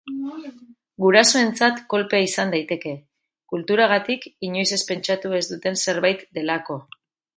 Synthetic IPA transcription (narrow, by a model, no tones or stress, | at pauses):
ɡuɾaso̞e̞nt͡sat̪ko̞lpe̞aisand̪ajt̪e̞ke̞ | kult̪uɾaɣ̞at̪ikiɲo̞jse̞spe̞nt͡ʃat̪ue̞zd̪ut̪e̞nse̞ɾβajt̪d̪e̞lako̞